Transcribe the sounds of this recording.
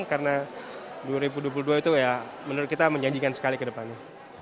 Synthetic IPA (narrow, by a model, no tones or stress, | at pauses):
ŋkarənaduaɾibuduap̬uluduait̪uja | mənəɾʊt̪̚kit̪aməɲaɲd͡ʒikansə̥kalikədəpana